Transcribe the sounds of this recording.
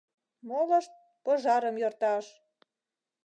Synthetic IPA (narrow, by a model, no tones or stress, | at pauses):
molɤ̆ʃt̪̚ | pɤ̆ʒɑɾəmjort̪ɑʃ